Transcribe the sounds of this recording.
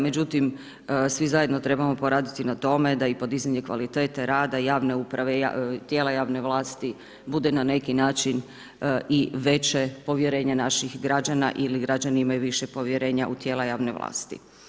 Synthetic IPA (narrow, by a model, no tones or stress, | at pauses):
me̞d͡ʑut̪im | sʋizajed̪no̞t̪ɾe̞bamo̞po̞ɾaːd̪it̪inat̪o̞me̞d̪aipo̞d̪izaɲe̞kʋa̰lit̪e̞ːt̪eɾaːd̪ajaːʋne̞upɾaʋejat̪jeːlajaːʋne̞ʋlˠaːst̪i | bud̪enane̞kinaːt͡ʃin | iʋe̞t͡ʃepo̞ʋje̞ɾe̞ːɲanaʃixɡɾad͡ʒana̰ʔiliɡɾad͡ʑaniimajuʋiʃepo̞ʋjeɾe̞ːɲaʔut̪jelajaːʋneʋlˠa̰ːst̪ḭ